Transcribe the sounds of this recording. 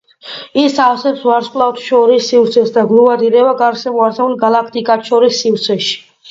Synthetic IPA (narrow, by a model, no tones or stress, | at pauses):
isavsɛpsvaɾskʼlˠaft̪ʰʃɔɾisːivɾt̪sʰɛsd̪aɡlˠuvad̪iɾɛbaɡaɾʃɛmɔaɾsɛulɡalˠakʰt̪ʼikʼat̪ʰʃɔɾisːivɾt̪sʰɛʃi̥